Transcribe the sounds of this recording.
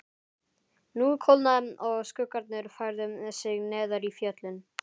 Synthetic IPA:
nukʰowlnaðʏmɔɣskʏːkaɾt̪nɪɾfajɾðʏmɛsɪɣnɛːðaɾifjœt̪lʏn

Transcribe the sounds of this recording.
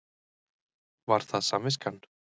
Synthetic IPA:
vaɾ̥θaðsamɪskanː

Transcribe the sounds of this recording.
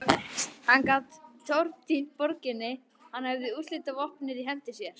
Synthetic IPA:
hankat̪t̪ʰɔwɾt̪inpɔɾcɪnːɪ | hanhɛvðɪulɪt̪avɔhpnɪɾiɦɛm̥t̪ɪsjɛɾ̥

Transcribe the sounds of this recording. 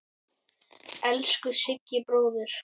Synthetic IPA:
ɛlskʏsɪcːɪpɾoːwðɪɾ̥

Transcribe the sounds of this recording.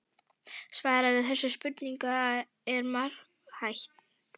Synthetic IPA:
svaːɾavɪðθɛsːʏspʏt̪niŋka | ɛɾmaɾ̥ | hajht̪

